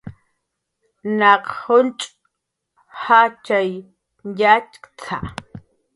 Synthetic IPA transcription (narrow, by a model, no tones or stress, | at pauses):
naqhʊnt͡ʃʼ | hat͡ʃaj | jat͡ʃkt͡sʰa̰